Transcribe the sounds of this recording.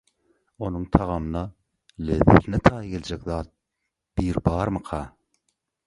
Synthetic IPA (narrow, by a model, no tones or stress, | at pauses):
o̞nuŋt̪ʰɑʁɑmɯnɑ | leðːḛθinet̪ʰɑːjɡe̞lʲd͡ʒekðɑːt̪̚ | b̥iːɾbɑːɾmɯqʰɑː